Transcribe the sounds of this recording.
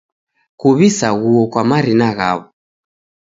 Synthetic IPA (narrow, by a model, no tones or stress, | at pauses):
kuβisaɣuɔkwamaɾinaɣa̰βɔ